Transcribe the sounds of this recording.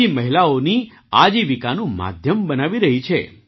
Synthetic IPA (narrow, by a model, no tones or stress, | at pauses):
iməɦilaoni | ad͡ʒiʋikanũma̰d̪ʱjəmbənaʋiɾəɦit͡ʃʰḛ